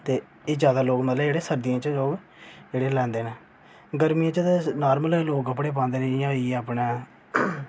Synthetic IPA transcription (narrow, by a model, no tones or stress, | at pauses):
t̪eː | eːd͡ʒjaːd̪aːloːɡmət̪ləbeːɽeːsəɾd̪ijãːt͡ʃəloːɡ | d͡ʒeːɽeːlɛ̃ːnd̪eːnẽː | ɡəɾmijãːt͡ʃəenaːɾməlloːɡəpɽeːpãːnd̪eːnẽːɪjãːieəpnẽː